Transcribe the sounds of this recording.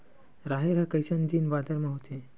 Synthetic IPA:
ɾaɦeɾakəjsand̪iːnbad̪əɾmaɦot̪ʰe

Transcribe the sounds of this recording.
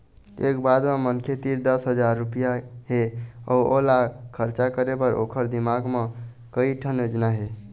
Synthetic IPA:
ḛkbad̪memənkʰet̪iɾd̪əsɦəd͡ʒaɾːupijaɦeɔ̰olakʰəɾt͡ʃakəɾebəɾʔo̰kʰəɾd̪imaɡmẽ | kəiʈʰənjod͡ʒnaɦe

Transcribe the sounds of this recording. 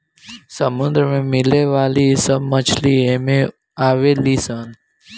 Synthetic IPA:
səmʊ̃nd̪ɾəmẽmɪleːʋaːlisəbmət͡ʃʰliːeːmẽ | aːʋeːliːsən

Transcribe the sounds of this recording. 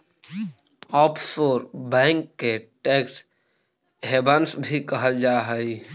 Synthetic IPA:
ɔːpʰsoːɾbɛ̃ːŋkːeʈɛːks | ɦebənsbʱikɐɦəld͡ʒaːɦɛi

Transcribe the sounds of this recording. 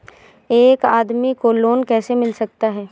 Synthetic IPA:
eːkaːd̪mikoloːnkɛːsemɪlsɐk̚t̪aɦɛː

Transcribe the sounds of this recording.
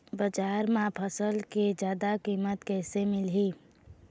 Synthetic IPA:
bəd͡ʒaːɾmãpʰəsəlked͡ʒjaːd̪akiːmət̪kɛːsemɪlɦi

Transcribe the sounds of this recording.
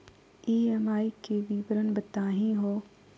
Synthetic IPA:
iːemaːikeʋiːbəɾənbət̪aːɦĩɦoː

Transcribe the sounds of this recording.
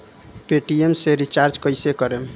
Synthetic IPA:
peʈiemseɾit͡ʃaɾd͡ʒkəjsekəɾem

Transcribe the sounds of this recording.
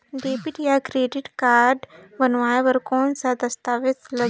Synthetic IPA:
ɖeːpɪʈjakɾeːɖɪʈkaːɾɖbɐnʋaːeʋəɾkɔːnsad̪ɐst̪aːʋɪt̪lɐ

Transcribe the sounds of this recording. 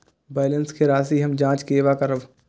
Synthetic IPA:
beːlənskeɾaːsiɦɐmd͡ʒãːt͡ʃkeːʋakɐɾəʋ

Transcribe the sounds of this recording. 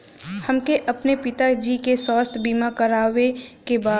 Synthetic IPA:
hɐmkeʔɐpnepɪt̪ad͡ʒikesaːst̪ʰbiːmakəɾaːʋekebaː

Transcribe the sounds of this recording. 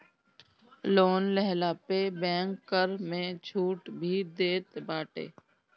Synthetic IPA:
loːnlɛɦlaːpebɛ̃ːŋkːəɾmẽt͡ʃʰuːʈbʱid̪eːt̪baːʈḛː

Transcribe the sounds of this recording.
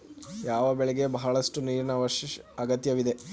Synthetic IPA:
jaːʋɐbeɭeɡe̞bɐɦɐɭɐʂʈuniːɾɐnɐʋɐʂɐɡɐt̪jɐʋid̪e

